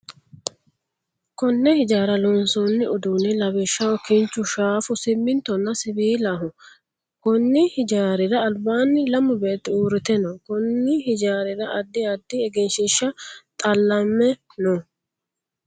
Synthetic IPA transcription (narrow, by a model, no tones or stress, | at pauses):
kɔnːɛhɪd͡ʒaːɾɐloːnsoːnːɪʊd̪uːnɪlɐβɪʃːɐwɔkɪnt͡ʃːʊʃaːfʊsɪmːɪnt̪ɔnːɐsɪbiːlaːɦʊ | kɔnːɪhɪd͡ʒaːɾɪɾɐːlbaːnːɪlɐmːʊbe̞ːt̪ːɪuːɾɪt̪ɛnɔkɔnːɪhɪd͡ʒaːɾɪɾɐʔɐd̪ːɪɐd̪ːɪɛɡɛnʃɪʃːɐt̪ʼɐlːɐmːɛ | nɔ